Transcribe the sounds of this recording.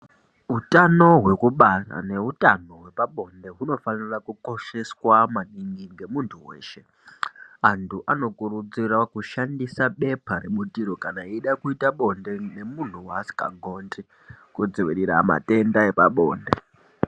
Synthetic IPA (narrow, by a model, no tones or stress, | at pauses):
ɦutano̞ɦwe̞kuɓara̰ne̞ɦutano̞ɦwe̞paɓo̞nde̞ɦuno̞fanirakuko̞ʃe̞swamaɗiŋɡiŋɡe̞muntʰuwe̞̰ːʃe̞ | antʰuʔano̞kurud͡zirakuʃandisaɓe̞pʰaɾe̞ɓutiɾo̞kanaiiɗakuitaɓo̞nde̞ne̞mun̤uwasi̥ka̰ŋɡʱo̞ːndi | kud͡zoʋiɾiɾa̰ma̰te̞ndae̞paɓo̞̰ːnde̞